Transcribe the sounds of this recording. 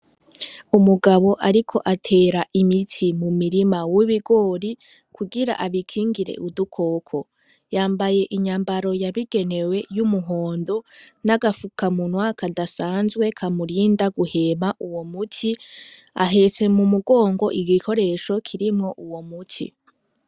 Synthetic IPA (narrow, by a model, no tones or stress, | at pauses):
umuɡaβo̞ʔaɾikʰo̞ʔatʰe̞ːɾaʔimitʰimumiɾimawiβiɡo̞ːɾi | kʰuɡiɾa̰ʔaβikʰiːŋɡiɾe̞̰ʔudukʰo̞ːkʰo̞ | jaːmbaje̞ʔiɲaːmbaɾo̞jaβiɡe̞ne̞we̞jumuɦo̞ːndo̞naɡafukʰamunwakadasaːnzɡwe̞kʰamuɾiːndaɡuhe̞maʔuwo̞mutʰi | a̰ɦe̞se̞mumuɡo̞ːŋɡo̞ʔiɡikʰo̞ɾe̞ʃo̞kʰiɾimŋo̞ʔuwomutʰḭ